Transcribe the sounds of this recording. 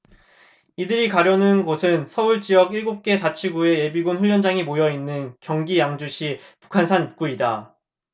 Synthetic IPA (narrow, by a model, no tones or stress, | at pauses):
idɯɾikaɾjʌnɯnɡosʰɯnsʰʌuɭt͡ɕ͈ijʌɡiɭɡop̚k͈e̞t͡ɕat͡ɕʰiɡue̞je̞biɡunɸuʎːjʌnd͡ʑaŋimojʌinːɯnkjʌŋɡijaŋd͡ʑuɕʰipu̥kʰansʰanip̚k͈uida